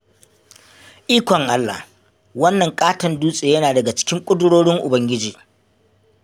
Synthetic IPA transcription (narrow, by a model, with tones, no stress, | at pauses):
ʔiː˦kʷɔ˨ŋʔa˦lːa̰˨h | wɐ˦nːɐ˨ŋkʼaː˦tɐ˨nduː˦sʼeː˨jɐ˦naː˨dɐ˨ɡa˨t͡ʃɪ̥˦kʲɪ˦ŋkʷʼʊ˦dʊ˦ɽoː˦ɽɪ˦ŋʔʊ˨bɐ˦ŋɡʲɪ˦d͡ʒiː˨